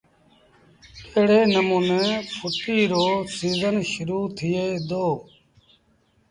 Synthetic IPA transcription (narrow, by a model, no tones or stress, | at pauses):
eːɽeːnəmuːnẽːpʰʊʈiːɾoːsiːzənʃʊɾuːt̪ʰɪjeːd̪oː